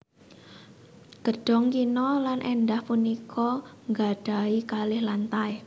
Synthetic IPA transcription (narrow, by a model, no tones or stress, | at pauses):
ɡ̥əɖ̥ɔ̤ŋkinɔlanʔendahpunikʰɔŋɡaɖ̥a̤ikalɪhlant̪aj